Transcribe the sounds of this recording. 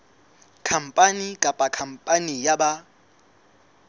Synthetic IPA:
kʰam̩pʼanikʼapʼakʰam̩pʼanijaɓa

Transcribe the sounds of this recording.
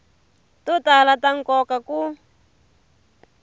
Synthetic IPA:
tutalataŋkɔkaku

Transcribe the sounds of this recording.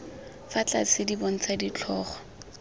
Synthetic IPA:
fat͡ɬʼa̰sɪdibon̩t͡sadit͡ɬʰɔːχɔ̥

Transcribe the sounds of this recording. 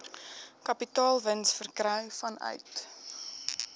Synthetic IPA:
kɐpitɑːlˠvənsfərkrœɥfɐnœ̰ɥt

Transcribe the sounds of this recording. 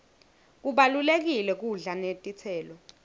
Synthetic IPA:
k̬uɓalulek̬ilɛk̬uɮanetʼit͡sʰɛːlɔ

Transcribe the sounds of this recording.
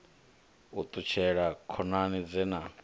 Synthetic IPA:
ut̪ʼut͡ʃʰɛɺakʰɔnanid͡zɛna

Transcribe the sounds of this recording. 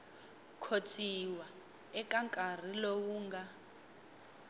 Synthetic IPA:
kʰot͡sʼiwa | ɛkʼaŋkʼar̤ilowuːŋɡa

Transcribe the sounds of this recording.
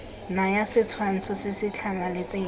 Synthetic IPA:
najasɪt͡sʰwan̩t͡sʰʊsɪsɪt͡ɬʰamalɪt͡sʼe

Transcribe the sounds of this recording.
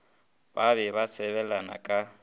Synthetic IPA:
baβɛβasɛβɛlana̰kʼa

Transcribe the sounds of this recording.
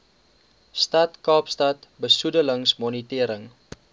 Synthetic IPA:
stɐtkɑːpstɐtbəsudələŋsmɔnitiəɾəŋ

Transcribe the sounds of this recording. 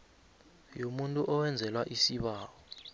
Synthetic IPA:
jomuntʼuʔɔwɛnd͡zʱɛlwaʔisiɓaːwɔ

